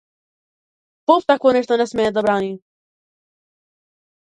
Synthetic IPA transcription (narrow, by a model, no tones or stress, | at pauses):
pɔft̪akvɔnʲɛʂt̪ɔnʲɛsmʲɛjɛd̪abɾanʲi